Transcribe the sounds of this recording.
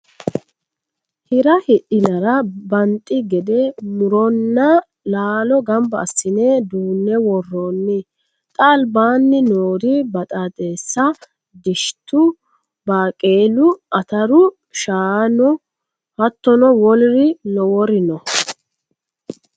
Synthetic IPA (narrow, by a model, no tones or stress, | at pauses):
hɪɾɐhɪʔɪnɐɾɐbɐnt̪ʼːɪɡɛd̪ɛmʊɾɔnːɐ | laːlɔɡɐmbɐ̰ːsːɪneːd̪uːnːɛwɔrːoːnːɪ | t̪ʼɐːlbaːnːɪnoːd̪ɪbɐt̪ʼaːt̪ʼe̞ːsːɐ | d̪ɪʃt̪ːʊ | baːkʼeːlʊʔɐt̪ɐɾʊ | ʃaːnɔ | hɐt̪ːɔnɔwɔlɾɪnɔwɔɾɪnɔ